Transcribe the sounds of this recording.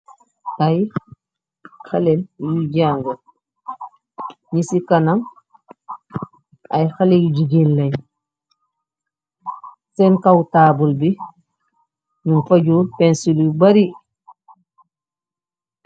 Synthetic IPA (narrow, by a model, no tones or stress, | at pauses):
ʔaj | xalɛnjud͡ʒaŋɡa | ɲisikanaŋ | ʔajxalɛjud͡ʒiɡinlaj | sɛnkawtaːbulbi | nunfaɟupɛnsilubaɾi